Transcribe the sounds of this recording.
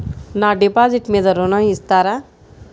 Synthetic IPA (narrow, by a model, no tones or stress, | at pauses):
naɖepaːziʈmed̪ɐɾonaist̪aːɾa